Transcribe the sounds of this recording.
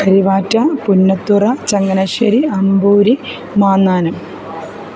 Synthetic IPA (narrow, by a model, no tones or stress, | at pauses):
kɐɾiʋaːtːɐpunːɐt̪ːurɐt͡ɕɐŋɡɐnɐʃɐɾiɐmbuːɾi | maːnːaːnɐm